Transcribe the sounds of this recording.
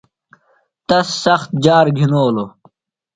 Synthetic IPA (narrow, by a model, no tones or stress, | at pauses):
t̪ɐsːɐxt̪̚d͡ʑaːɾɡʱinoːlo